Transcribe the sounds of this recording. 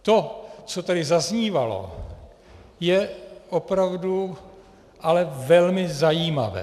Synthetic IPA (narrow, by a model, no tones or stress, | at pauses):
t̪o̞t͡sot̪adɪzazɲiːvalo̰ | jɛʔopɾavdu | ʔalɛvɛlmɪzajiːma̰vɛ̰ː